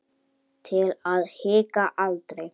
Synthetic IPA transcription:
t̪ʰɪlaðhɪːkaʔalt̪ɾe

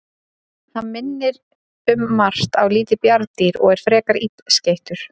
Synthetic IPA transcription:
hanmɪnːɪɾ | ʏmːar̥t̪awliːt̪ɪpjaɾt̪iɾɔ̰ɣɛɾ̥fɾɛːkaɾipscejht̪ʏɾ̥

